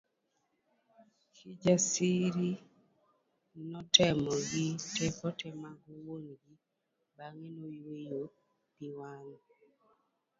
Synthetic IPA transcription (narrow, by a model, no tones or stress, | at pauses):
kʰid͡ʒasiɾi | nɔtɛmɔɡitʰɛkɔtʰɛmaɡuwonɡi | baŋenowejo | b̥iwan